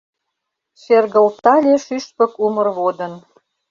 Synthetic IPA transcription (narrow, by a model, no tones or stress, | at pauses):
ʃerɣə̆lt̪ɑlʲeʃyʃpə̆kumə̆rβod̪ən